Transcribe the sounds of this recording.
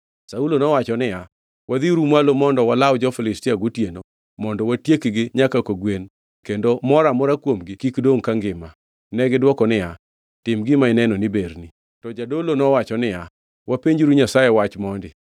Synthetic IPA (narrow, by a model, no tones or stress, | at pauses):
saulonɔwat͡ʃɔnɪja | wad̪iɾumalomɔndɔwalawd͡ʒɔfɪlɪstɪaɡʊtjeno | mɔndɔwatjekɡɪɲakakoɡwen | kendomɔɾamɔɾakwomɡɪkikdoŋkaŋɡɪma | nɛɡɪdwɔkɔnɪja | tɪmɡɪmaɪnɛnɔnɪbeɾni | tɔd͡ʒadolonɔwat͡ʃɔnɪja | wapeɲd͡ʒɾuɲasajɛwat͡ʃmɔndɪ